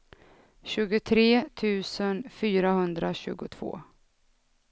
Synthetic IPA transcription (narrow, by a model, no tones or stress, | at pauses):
ɕʉ̟ːɡʊt̪ʰɾeːt̪ʰʉ̟ːsənfyːɾahɵnd̪ɾaɕʉ̟ːɡʊt̪ʰv̥o̰ː